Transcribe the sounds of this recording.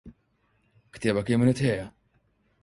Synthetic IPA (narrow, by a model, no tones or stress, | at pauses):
kt̪ɛːbɐkiːmɪnɪt̪hɛːjɐ